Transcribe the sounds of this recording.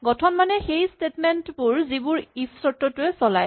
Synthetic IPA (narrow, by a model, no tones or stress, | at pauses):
ɡɔtʰɔnmanɛxejstetmɛntbʊɹzibʊɹipʰsɔtːɔtʊɛsɔla̰j